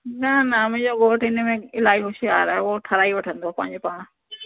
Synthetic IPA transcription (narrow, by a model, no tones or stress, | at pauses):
nanamʊ̃d͡ʑoɡoːʈɪnəmẽɪlaːiɦʊʃijaːɾɦɛoʈʰɐɾaːiʋɐʈʰə̃nd̪oaːpɐ̃ːɪ̃ɲd͡ʑopãːã